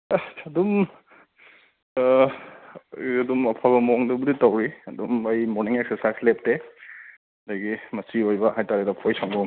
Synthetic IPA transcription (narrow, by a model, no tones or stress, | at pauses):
ɐdum | adumɐpʰabɐmɔŋdubuditawɾiɐdumajmɔɾniŋek̚sesaslep̚te | dajɡimɐsiojbɐɦajtaɾedɐpʰɔjsaŋbɔŋ